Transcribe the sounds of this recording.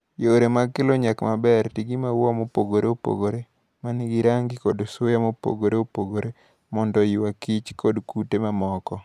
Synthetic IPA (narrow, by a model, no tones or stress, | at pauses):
joɾemakɪloɲakmabɛrtiɡimawɔmopoɡoɾeopo̰ɡoɾe | maniɡiɾaŋɡikodosojamopo̰ɡoɾeopoɡoɾe | mɔndɔjiwakit͡ʃkʰɔdkutemamɔkɔ